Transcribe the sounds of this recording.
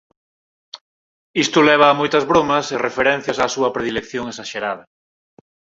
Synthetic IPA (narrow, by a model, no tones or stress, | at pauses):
ist̪ʊlɛβ̞ɐːmojt̪ɐzβɾomɐserefeɾɛn̟θjɐsaːsuɐpɾeðilekθjoŋesaʃeɾaðɐ